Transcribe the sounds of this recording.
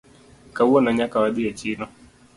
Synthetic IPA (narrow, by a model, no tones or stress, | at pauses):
kawɔnaɲakawaɗiet͡ʃinɔ